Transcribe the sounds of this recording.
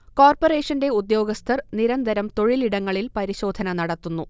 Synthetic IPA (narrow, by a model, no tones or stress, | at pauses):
koːrpore̞ːʂɐnde̞ud̪jo̞ːɡɐst̪ʰɐrniɾɐnd̪ʱɐɾɐmt̪o̞ɻiliɽɐŋːɐɭilpɐɾiɕo̞ːd̪ʱɐnɐnɐɽɐt̪ːunːu